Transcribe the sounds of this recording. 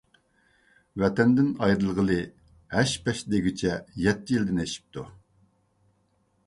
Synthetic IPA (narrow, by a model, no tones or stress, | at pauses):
vɛt̪ɛnd̪ɪnɑjɾɨlˠʁəlˠɨ | hæʃpɛʃd̪eɡʲit͡ʃʰɛjɛt̪ʰːɪjild̪ɪneʃi̥p̚t̪ʰu